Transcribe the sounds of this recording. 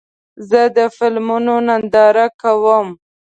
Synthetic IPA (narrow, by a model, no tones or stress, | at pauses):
zəd̪əfɪlmunonand̪ɑɾakawəm